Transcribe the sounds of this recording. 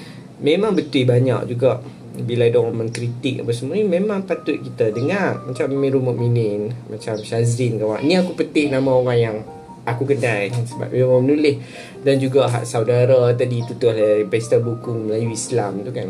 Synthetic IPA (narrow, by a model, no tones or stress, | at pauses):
mẽmãŋbət̪uibaɲa̰k̚d͡ʒuɡaʔ | bilaidɔʔŋomənkɾit̪ɪk̚a̰pasəmuanimemãŋpat̪ʊt̪̚kit̪adəŋarmat͡ʃamːĩɾumuʔ̚minɪnmat͡ʃamʃazɾɪnkawaʔniakupət̪ɪhnamaoɣaŋjaŋ | akukənajsəba̰p̚emamənulɪh | dand͡ʒuɡaɦa̰ʔsawdaɾat̪̬adit̪ut̪ʊhlpɛst̪abukuməlajuislamt̪ukan